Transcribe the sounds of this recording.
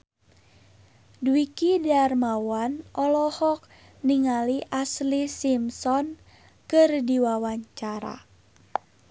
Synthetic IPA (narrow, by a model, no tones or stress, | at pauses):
dwikidarmawanʔɔlɔhɔk̚ | niŋaliʔaslisimsɔn | kɨrdiwawaɲt͡ʃaɾa̰